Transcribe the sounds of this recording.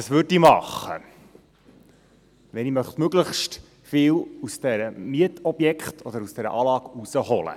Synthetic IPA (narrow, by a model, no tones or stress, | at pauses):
ɑsʋʏɾdiːmɑχːə̰ | ʋɛnimœχtmøɡləχʃt | fɪːlusd̥ɛɾəmiətɔb̥jɛkχtʰɔdəɾusd̥ɛɾə̰ʔɑːlɑːɡusəhɔlə̰